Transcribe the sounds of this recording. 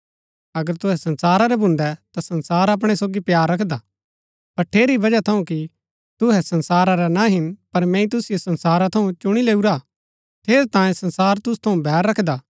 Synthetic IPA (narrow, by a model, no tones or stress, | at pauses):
ɐɡəɾt̪ʊɦɛsɐ̃nsaːɾaɾɛbʱʊ̃nd̪ɛt̪asɐ̃nsaːɾɐp̬ɽ̃esoːɡipjaːɾːɐkʰd̪a | pɐɾʈʰeːɾibɐd͡ʒat̪ʰɐũki | t̪ʊɦɛsɐ̃nsaːɾaɾɛnaɦɪnpɐɾmɛ̃ːĩt̪̬ʊsɪjosɐ̃nsaːɾat̪ʰɐũt͡ʃʊɽ̃ileːuɾa | t̪ʰeːɾt̪ãːjẽsɐ̃nsaːɾt̪ʊst̪ʰɐũbʱɛːɾːɐkʰd̪aː